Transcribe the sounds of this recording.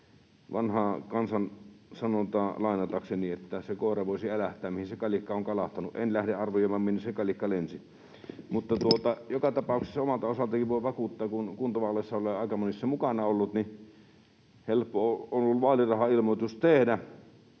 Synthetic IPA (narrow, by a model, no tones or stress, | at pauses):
ʋɑnhɑˑkɑnsɑnsɑnot̪ɑːlɑˑenɑt̪ɑkseniet̪ːæsekoˑerɑʋoˑisiælæht̪ˑæːmmihinsekɑlikːɑoŋkɑlɑht̪ɑnuʔʔenlæhdeʔʔɑrʋojˑoˑʋɑmminːyssekɑlikːɑlensi | mut̪ːɑt̪uot̪ɑjokɑt̪ɑpɑˑukse̥sːɑomɑlt̪ɑosɑlt̪ɑkiʋʋoˑʋɑkut̪ːɑːkunkunt̪oʋɑlːˑeˑsːɑoleɑˑekɑmonisːɑmukɑnɑolːut̪ni | helpːooonolːuʋɑːlirɑhɑilmot̪ust̪ehdæ